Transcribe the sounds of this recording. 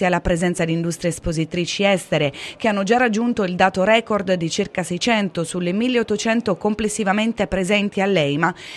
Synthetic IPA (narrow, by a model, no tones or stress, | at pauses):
ialːapɾezɛnt̪sad̪ind̪ust̪ɾjeespozit̪ɾiːt͡ʃiɛst̪eɾek̟eanːod͡ʒarːad͡ʒːunt̪oild̪aːt̪oɾɛːkord̪d̪it͡ʃirkasɛjt͡ʃɛnt̪osulːemilːeot̪ːot͡ʃɛnt̪okomplesːivament̪epɾezɛnt̪ialːɛjma